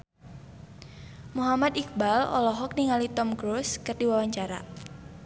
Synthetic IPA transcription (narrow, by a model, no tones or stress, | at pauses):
muɦamat̪ik̚balɔ̰lɔɦɔk̚niŋalit̪ɔmɡɾoskɨrdiwawaɲt͡ʃaɾa̰